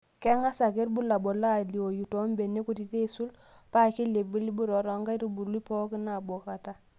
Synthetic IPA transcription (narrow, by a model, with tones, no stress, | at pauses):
kɛ˦ŋa˦sa˨ke˦ɾbu˦la˨bɔ˨la˦˨li˨o˨ju˨to˦mbe˨ne˦ku˦ti˨te˦su˦l | pa˦˨ki˦le˨bi˦li˦bu˦ɾɔ˨ɾɔ˨ŋɡa˦ɾu˦bu˨li˦pɔ˦ki˦na˨bɔ˨ka˨ta˦